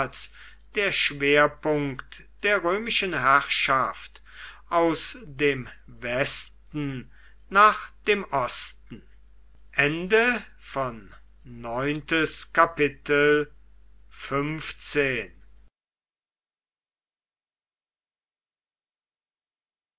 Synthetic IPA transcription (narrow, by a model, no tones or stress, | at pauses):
s | d̥eːɐʃv̥eːɐpʊŋkktd̥eːɐʁøːmɪʃənɦæʁʃaft | ʔaʊsdeːmvɛstn̩ | naːχd̥eːmʔɔstn̩ | ʔɛndə | fɔnː | ɔʏntəskapɪtʰəl | fʏmft͡seːn